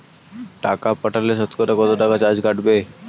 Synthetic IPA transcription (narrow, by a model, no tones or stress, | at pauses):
ʈakapəʈʰalesət̪kɔɾakɔt̪oʈakat͡ɕad͡zɡaʈbe